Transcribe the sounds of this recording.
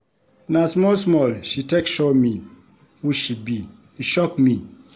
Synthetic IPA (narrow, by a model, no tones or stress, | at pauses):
nasmɔlsmɔlʃitekʃɔmi | huʃibi | iʃɔkmi